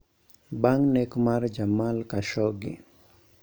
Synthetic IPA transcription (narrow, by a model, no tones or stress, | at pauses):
baŋnɛkmard͡ʒamalkaʃɔɡɪ̰